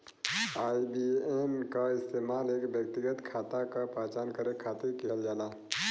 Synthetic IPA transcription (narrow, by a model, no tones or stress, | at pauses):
aːibiːenkaɪst̪eːmaːleːkʋjək̚t̪ɪɡət̪kʰaːt̪akapaːt͡ʃaːnkɐɾekʰːaːt̪ekeːld͡ʒaːlaː